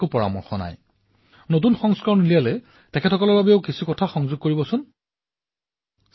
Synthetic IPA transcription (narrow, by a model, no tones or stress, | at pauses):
kopɔɹa̰mɔ̰ɹxɔna̰j | not̬unxɔŋskaɹɔnilialɛ | tɛkʰɛtʰɔkɔlɔɹbabɛʊkisukɔtʰaxɔŋzʊɡ̚koɹibɔsʊn